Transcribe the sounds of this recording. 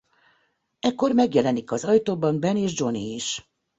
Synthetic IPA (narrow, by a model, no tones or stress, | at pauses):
ɛkːo̞rmɛɡjɛlɛnikɒzɒjt̪oːbɒnbɛneːʒd͡ʒo̞niːʃ